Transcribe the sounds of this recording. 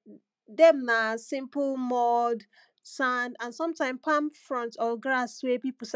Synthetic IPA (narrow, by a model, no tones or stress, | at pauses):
dɛmnasĩmplmɔd | sãndãnsɔ̃mtãɪ̃mpʰãmfɹɔ̃ntʰɔɡɹaswɛpipl̩s